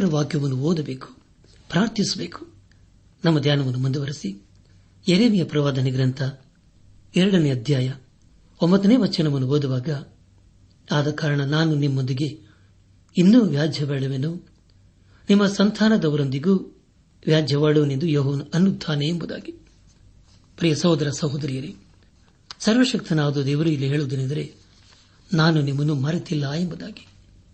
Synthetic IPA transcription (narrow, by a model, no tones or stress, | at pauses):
ɾɐʋaːɡjɐʋɐnːuoːd̪ɐbe̞ːku̥ | pɾaːɾt̪isɐbe̞ːku̥ | nɐmːɐd̪jaːnɐmɐnːumund̪uʋɐɾisi | eɾeːmijɐpɾɐʋaːd̪ɐniɡɾɐnt̪ʰɐ | ɛɾɐɽɐniɐd̪ʱjaːjɐ | ombɐt̪ːɐneːʋɐt͡ʃːɐnɐʋɐnːuoːd̪uʋaːɡɐ | aːd̪ɐkaːɾɐɳɐnaːnunimːond̪iɡe̞ | inːuːʋjaːd͡ʒʱjɐʋaːɽɐʋenuː | nimːɐsɐnt̪ʰaːnɐd̪ɐʋɐɾond̪iɡuː | ʋjaːd͡ʒjɐʋaːɽuʋɐnind̪ujoːɦɐʋɐnɐnːud̪ʱːaːneembud̪a̰ːɡi | pɾijɐsɐːd̪ɐɾɐsɐɦud̪ɐɾijɐɾe | sɐɾʋɐʃɐkt̪ʰiɐnaːʋɐd̪ud̪eːʋɐɾuilːiɦeːɭud̪inind̪ɐɾe̞ | naːnunimːɐnːumɐɾit̪ilːɐembud̪aːɡi̥